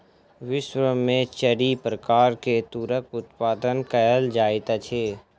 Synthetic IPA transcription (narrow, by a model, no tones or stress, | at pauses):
ʋɪʃwɾəmːẽt͡ʃəɽipɾəkaːɾket̪uɾəkʊt̪paːd̪ənkəjəld͡ʒaːɪt̪at͡ʃʰeː